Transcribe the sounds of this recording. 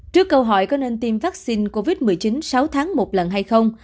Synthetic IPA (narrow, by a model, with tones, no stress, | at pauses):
t͡ɕɨ˦˥əkːə˧wɦɔ̰˧˩jkɔ˨˦ne˧nt̪i˧mvaː˦˥k̚si˧nko˧vi˦˥t̚mɨ˨˩əjt͡ɕi˨˦nsa˨˦wt̪ʰaː˨˦ŋmo˨˩t̚lə˨˩nɦa˧jxə˧wŋ͡m